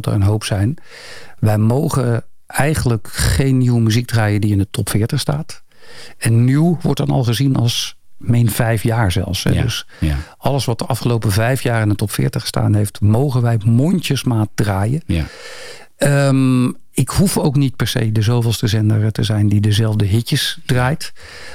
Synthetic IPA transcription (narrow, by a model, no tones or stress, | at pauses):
tə̰ɹənɦowpsɛjn | ʋɛjmowχə | ɛjχənələkχejnːiwəmyziɡ̚draːjədiɪndətʰɔpfɪːɹtəχstaːt | ɛnːyʋɔ̰ɹt̚dɑnɑ̰lˠχəzinɑ̰lˠs | mɛjnvɛjfjaːɹzɛ̰lˠfsɦɛ̰d̰s | ɑlˠəsʋɑt̚dəʔɑfχəlowpəvɛjfjaːrɪndətɔpfɪ̰ːɹtəχsta̰ːnɦejftmowχənʋɛjmɔntəsmaːt̚draːjə | əm | ɪkhufowknit̚pɛɹsḛjdəzowvɪlˠstəzɛndərətəzɛjndidəzɛlˠvdəɦɪcəsd̥raːjt